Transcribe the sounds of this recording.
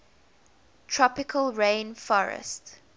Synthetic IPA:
tʰɹɔpɪkʰəlˠɹẽɪnfɔɹə̰st

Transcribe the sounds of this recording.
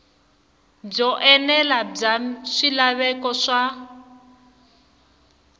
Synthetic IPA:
b͡ʐɔʔɛnɛlab͡ʐaʂilaβɛkɔʂa

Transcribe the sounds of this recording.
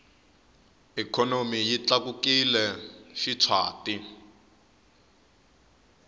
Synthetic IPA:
ikʰɔnomijit͡ɬak̬ukilɛʃit͡sʰwaːti

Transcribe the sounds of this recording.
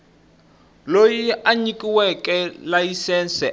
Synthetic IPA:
lojiaɲikʼiwɛkʼɛlajisɛnsɛ

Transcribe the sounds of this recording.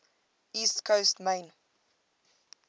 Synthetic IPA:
iːstkʰəwstmeɪn

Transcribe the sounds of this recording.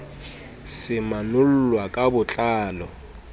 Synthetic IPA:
sɪmanʊl̩lwakʼabʊt͡ɬʼaːlɔ

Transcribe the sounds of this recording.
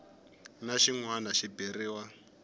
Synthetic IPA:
naʃiŋwanaʃibiriːwa

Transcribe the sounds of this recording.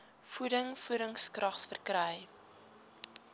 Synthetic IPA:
fudəŋfuɾəŋskrɐχsfərkɾɛj

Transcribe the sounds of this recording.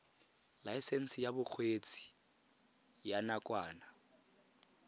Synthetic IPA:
laisen̩sɪjabʊk͡xʰweːt͡sʰʼi̥ | janakʼwaːna

